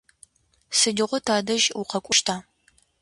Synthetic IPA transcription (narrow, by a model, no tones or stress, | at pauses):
sɨdɪʁʷʊtʰaːdɐʒuqɐkʷʼʊʃtʰaː